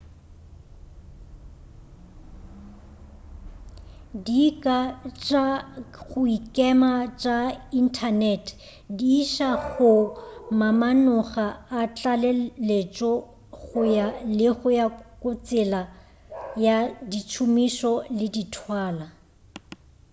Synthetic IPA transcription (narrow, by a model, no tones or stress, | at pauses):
dikʼat͡ʃʼaɣʊikʼɛmat͡ʃʼain̩tʰanɛtʰ | diːʃaɣʊmamanʊχaat͡ɬʼalɛlet͡ʃʼɔ | ɣʊjalɪɣʊjakʼʊt͡sʼɪla | jadit͡ʃʰumiʃɔlɪditʰwaːla